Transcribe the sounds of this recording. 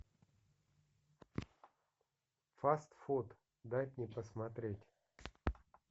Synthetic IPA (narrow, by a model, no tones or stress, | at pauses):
fast̪fot̪ | d̪ajtʲnʲɪpəsmat̪ɾʲetʲ